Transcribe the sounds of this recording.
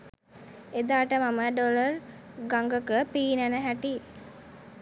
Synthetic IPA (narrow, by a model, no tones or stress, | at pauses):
ed̪aːʈəmaməɖolər | ɡaŋɡəkəpiːnənəɦæʈi